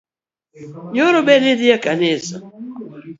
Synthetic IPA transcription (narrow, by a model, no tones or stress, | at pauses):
ɲɔɾɔbɛnɪdɪakanɪsa